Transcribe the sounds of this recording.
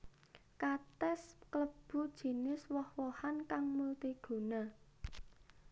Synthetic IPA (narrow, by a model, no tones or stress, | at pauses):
kat̪ɛskləb̥ṳd̥ʒ̥i̤nɪswɔhwɔhankaŋmult̪iɡ̥ṳna